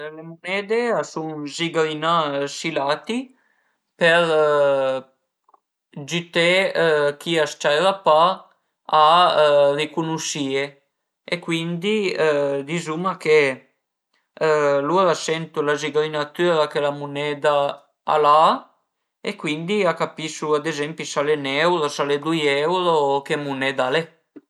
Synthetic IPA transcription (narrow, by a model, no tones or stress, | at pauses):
lemunɛːd̪easuŋziɡɾinasilat̪i | peɾ | d͡ʒyt̪ekiast͡ʃajɾapa | a | rikunuʃie | ekwind̪id̪izumake | luɾasɛnt̪ulaziɡɾinat̪yɾakelamunɛd̪a | a̰la | ekwind̪iakapisuad̪ezɛmpisalenɛwɾosaled̪ujɛwɾokemunɛd̪ale